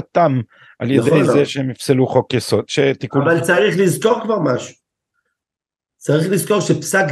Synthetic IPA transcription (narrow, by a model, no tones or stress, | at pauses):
at̪am | ʔaljed̪ejzeʃeemifseluχokjeso̞d̪̥ʃet̪ikuavalt͡saʁiχlizko̞ʁkvaʁmaʃu̥ | t͡saʁiχlizko̞ʁʃepsak